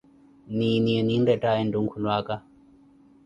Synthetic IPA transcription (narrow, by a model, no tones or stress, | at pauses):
niniɛnindɛtaɛnduŋkʰunwaka